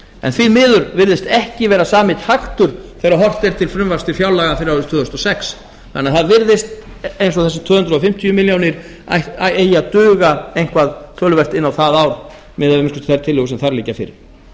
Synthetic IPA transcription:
ɛ̰nθiðmɪːðʏɾvɪɾðɪst̪ɛhcɪvɛːɾasaːmɪt̪haxt̪ʏɾ̥θɛːɾaɦɔr̥t̪ɛɾt̪ʰɪlfɾʏmvaɾ̥st̪ɪfjawlaːɣafɪɾɪɾast̪ʰvʏːðʏst̪ɔsɛks | ka̰nːaθaðvɪɾðɪst̪ | ejnsɔθɛsɪt̪ʰʏːhʏnt̪ɾʏɔfɪm̥t̪ʰijʏmɪljawnɪɾ̥ | aaeːjat̪ʏːɣaejn̥kvaðt̪ʰœːlʏvɛr̥t̪ɪnːawθaðawɾ | mɪːðamɪnskʏ̥t̪ʰθaɾt̪ʰɪlːʏːɣʏsɛmθaɾliːcafɪ̰ɾɪɾ̥

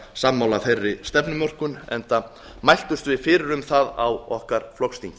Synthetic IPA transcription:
samːawlafejrːɪst̪ɛpnʏmɔr̥kʏnɛ̰nt̪a | majl̥t̪ʏst̪vɪðfɪːɾɪɾʏmθaða̰wɔhkaɾ̥flɔwkst̪iɲcɪ

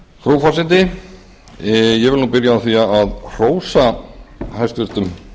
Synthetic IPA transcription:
θɾoːwfasɪnt̪̬ɪ | jɛvɪlnuːpɪɾjaaθiaaðr̥oːwsahajst̪vʏɾ̥t̪ʏm

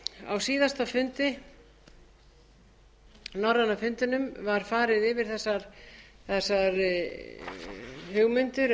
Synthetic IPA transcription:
a̰wsiːðast̪afʏnt̪ɪ | nɔrːanːafʏnt̪ɪnʏmvaɾ̥faːɾɪðɪvɪɾ̥θɛsːaɾ | θɛsːaɾ | hʏɣmʏnt̪ʏɾ

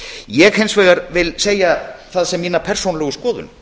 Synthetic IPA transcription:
jɛɣhejnsvɛːɣaɾvɪlseːjaθaðsɛmːiːnapʰɛr̥sownlɛɣʏskɔːðʏ̰n

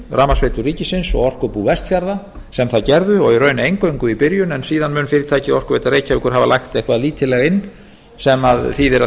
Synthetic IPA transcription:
raːmasveːjt̪ʏriːcɪsɪnsɔ̰ɣɔr̥kœpuvɛst̪fjaɾða | sɛmθaðcɛɾðʏɔɣirœːɥnʏejŋkœɥŋkʏipɪɾjʏnɛnsiːðanmʏnfɪːɾɪɾ̥t̪ʰaːjcɪɔr̥kʏveːjt̪aɾreːjcavɪkʰʏɾɦavalaxt̪ehkvaðliːt̪ʰɪlɛɣaɪnː | sɛmaðθiðɪɾa

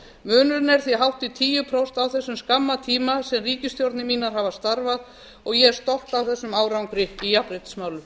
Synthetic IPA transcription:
mʏːnʏɾnɛɾ̥θiɦawht̪it̪ʰiːjʏpʰɾowst̪awθɛsːʏmskamːat̪ʰiːmasɛmriːcɪst̪jowɾt̪nɪmiːnaɾɦaːvast̪aɾvað | ɔɣjɛɾ̥st̪ɔht̪awθɛsːʏmaːwɾawŋkɾɪijapɾejt̪smaːwlʏ

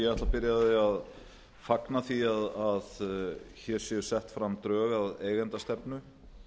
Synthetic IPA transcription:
jɛɣɛht̪lapɪɾjaðɪað | faknaθiaðaðçɛɾ̥sɛʏ̥sɛht̪fɾamːt̪ɾœːɣaðeːjɣɛnt̪ast̪ɛpnʏ

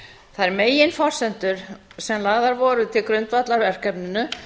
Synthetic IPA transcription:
θaðɛɾmeːjɪnfɔr̥sɛnt̪ʏɾ̥sɛmlaːɣðaɾvɔːɾʏt̪ʰɪlkɾʏnt̪vat̪laɾvɛr̥kɛpnʏnʏ

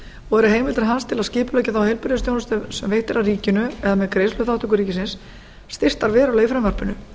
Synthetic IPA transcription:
ɔɛɾʏɦeːjmɪlt̪ɪɾɦanst̪ʰɪlaðscɪːpʏlœːcɪθawhejlpɪɾðʏsjownʏst̪sɛmvejht̪ɪɾaðriːcɪnʏɛðamɛðkɾejslʏθaht̪ʏk̬ʏɾiːcɪsɪnsː | t̪ɪr̥t̪aɾvɛːɾawleːjfɾʏmvaɾ̥pʏnʏ

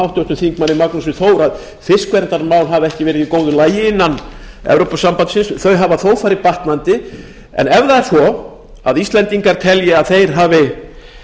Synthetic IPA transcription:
awht̪jowst̪ʏmθiŋkmanːɪmaknasʏθoːwɾað | fɪskvɛɾnt̪aɾmawnɦavɛhcɪvɛːɾɪðikoːwðʏlaːjɪɪnːan | ɛ̰vɾowpasampansɪnsθœɥɦavaθoːwfaːɾɪpaht̪nant̪ɪ | ɛ̰nɛvðaɛɾsɔ | a̰ðist̪lɛnt̪iŋkaɾ̥t̪ʰɛljɪaðθejɾ̥ɦaːvɪ

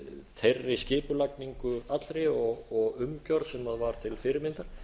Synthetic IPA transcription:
θʰerːɪscɪːpʏlakniŋkʏat̪lɾɪɔɣɔɣʏmcɔɾðsɛmaðvaɾ̥t̪ʰɪlfɪɾɪɾmɪnt̪aɾ̥

